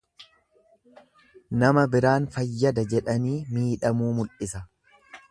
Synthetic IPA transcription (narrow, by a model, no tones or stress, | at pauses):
nɐmɐbɪɾaːnfɐjːɐd̪ɐd͡ʒɛᶑɐniːmiːᶑɐmuːmʊlʔɪsɐ